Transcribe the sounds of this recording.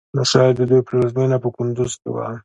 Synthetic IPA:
naʃɑjd̪əd̪ujpəlazminapəkʊnd̪uzkḛwa̰

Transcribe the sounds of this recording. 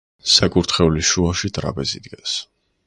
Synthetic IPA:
sakʼuɾt̪ʰχɛuliʃuaʃit̪ʼɾa̰pʼɛzḭd̪ɡɛns

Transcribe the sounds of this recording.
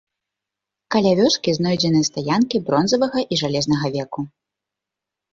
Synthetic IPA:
kɐlʲavʲɔskʲiznɔjd͡zʲɛnɨjɛst̪ajankʲibɾɔnzɐvɐɣɐʔiʐalʲɛznɐɣɐvʲɛku

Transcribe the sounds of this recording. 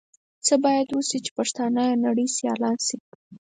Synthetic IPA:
t͡səbɑjad̪wəsit͡ʃe̥paʂt̪ɑnajnaɽəjsjɑ̰lɑnsi

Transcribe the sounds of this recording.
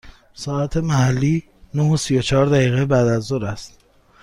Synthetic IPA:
sɒːæt̪ʰe̞mæhælːiː | nohosijot͡ʃʰɒːɾd̪æɣiːɣebæd̪æzːoɾæst̪

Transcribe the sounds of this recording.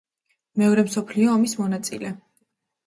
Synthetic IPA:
mɛɔɾɛmsɔpʰliɔːmismɔnat̪sʼḭlɛ

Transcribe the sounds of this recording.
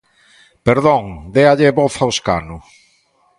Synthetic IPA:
peɾðoŋd̪eaʎeβoθawska̰nʊ

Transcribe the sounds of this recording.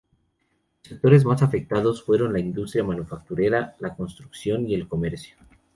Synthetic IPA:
lose̞k̚t̪o̞ɾezmasafe̞k̚t̪að̞o̞sfwe̞ɾo̞nlaind̪ust̪ɾjamanufak̚t̪uɾe̞ɾalako̞nst̪ɾuksjo̞nie̞lko̞me̞ɾsjo

